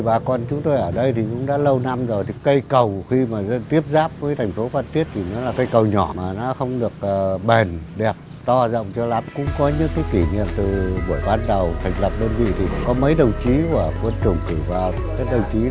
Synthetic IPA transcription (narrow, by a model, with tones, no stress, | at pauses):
ɓaː˨˩kɔ˧˩nt͡ɕʊ˨˦ŋ͡mt̪o˧jʔəː˧˩ɗə˧jt̪ʰi˨˩kʊ̰˧˥ŋ͡mɗa̰ː˧˥lə˧wna˧mzo˨˩jt̪ʰi˨˩kə˧jkə˨˩wxi˧maː˨˩˧t̪i˦˥əp̚zaː˦˥p̚və˨˦jt̪ʰŋ̟fo˨˦faː˧nt̪i˦˥ət̚t̪ʰi˨˩nɔ˨˦laː˨˩kə˧jkə˨˩wɲɔ˧˩maː˨˩nɔ˨˦xə˧wŋ͡mɗɨ˨˩ək̚ːɓe˨˩nɗɛ˨˩p̚t̪ɔ˧zə̰˧˨wŋ͡mt͡ɕɔ˧la˨˦mkʊ̰˧˥ŋ͡mkɔ˨˦ɲɨ̰˧˥ŋkaː˨˦jki˧˩ɲḭ˧˨əmt̪ɨ˨˩ɓu˧˩əjɓaː˧nɗə˨˩wt̪ʰa˨˩jŋ̟lə˨˩p̚ɗəː˧nvḭ˧˨t̪ʰi˨˩kɔ˨˦mə˨˦jɗə˨˩wt͡ɕi˨˦ku˧˩əkwə˧nt͡ɕɨ˧˩əŋk̪i˧˩vaː˨˩w | kaː˦j̚ɗə˨˩wt͡ɕi˨˦